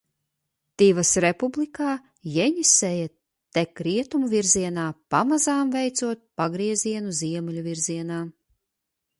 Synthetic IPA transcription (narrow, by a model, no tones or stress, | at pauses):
t̪ivasɾepublikaː | jɛɲisɛja | t̪ekɾiɛt̪umuviɾziɛnaːpamazaːmvɛjt̪suɔt̪̚paɡɾiɛziɛnuziɛmɛlʲuviɾziɛnaː